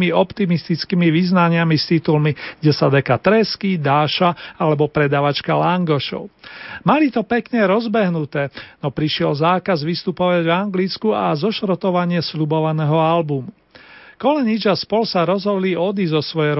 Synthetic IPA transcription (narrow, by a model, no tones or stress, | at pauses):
miɔpt̪imist̪it͡skimiʋiznaɲɪamist̪it̪ulmiɡɟɛsad̪ɛkat̪ɾɛskid̪aːʃaalɛbɔpɾɛd̪aːʋat͡ʃkalaŋɡɔʃɔ̰ʊmalit̪ɔpɛkɲɛɾɔzbɛɦnut̪ɛːnɔpɾiʃɪɛlzaːkazʋist̪upɔʋaɟvaŋɡlit͡skuazɔʃɾt̪ɔʋaɲɪɛsʎubɔʋanɛːɦɔalbumu | kɔlɛɲid͡ʒaspɔlsaɾɔzɦɔd̪liɔd̪izɔsʋɔjɛɾ